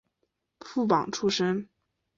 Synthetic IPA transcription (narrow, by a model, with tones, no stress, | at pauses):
fu˥˩pɑ̰˨˩ŋʈ͡ʂʰu˥ʂə˥ŋ